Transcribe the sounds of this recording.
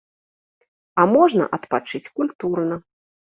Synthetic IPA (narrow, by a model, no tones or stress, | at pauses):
ɐmɔʐnɐ̰ʔɐt̪pat͡ʂɨt͡sʲkulʲt̪urnɐ